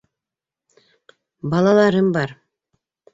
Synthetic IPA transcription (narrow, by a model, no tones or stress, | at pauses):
bɑlˠɑlˠɑɾɤmbɑɾ